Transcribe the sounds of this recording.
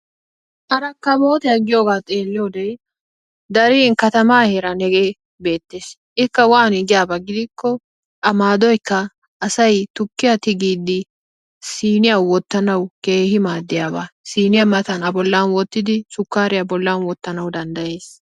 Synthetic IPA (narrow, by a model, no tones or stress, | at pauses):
ʔɐɾɐkːɐmoːt̪ɛjɐɡɪjo̞ːɡaːt̪ʼe̞ːlːɪjoːd̪ɛj | d̪ɐɾiːnkɐt̪ɐmaːheɾɐnɛɡeː | be̞ːt̪ːe̞ːs | ʔɪkːɐwaːnɪɡɪjaːbɐɡɪd̪ɪkːɔ | ʔɐmaːd̪ɔjkːɐ | ʔːsɐjt̪ʊkːɪjat̪ɪɡiːd̪ɪ | siːnɪjɐwːɔt̪ːɐnɐwke̞ːhɪmaːd̪ːɪjaːbasiːnɪjɐmɐt̪ɐnɐbɔlːɐnwɔt̪ːɪd̪ɪsʊkːaːɾɪjɐbɔlːanwɔt̪ːɐnɐwd̪ɐnd̪ɐje̞ːs